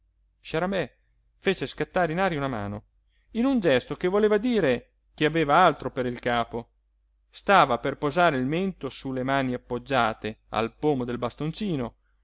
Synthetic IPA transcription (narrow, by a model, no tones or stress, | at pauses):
ʃaɾamɛ | feːt͡ʃeskat̪ːaːɾeinaːɾjaunama̰ːno | inund͡ʒɛst̪okevoleːvad̪iːɾe | keaveːvaalt̪ɾopeɾilkaːpo | st̪aːvaperpozaːɾeilment̪osulːemaːniapːod͡ʒːaːt̪ea̰lpoːmod̪elbast̪ont͡ʃiːno